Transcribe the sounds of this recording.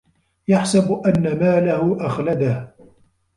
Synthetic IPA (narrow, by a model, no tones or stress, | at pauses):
jaħsabʔanːamaːlahʊʔaxlad̪ah